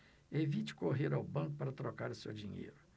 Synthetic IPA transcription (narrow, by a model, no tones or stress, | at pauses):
evit͡ʃɪ̥koɦeɾawbɐ̃ŋkʊpaɾɐt̪ɾokaɾʊsewd͡ʒiɲḛjɾʊ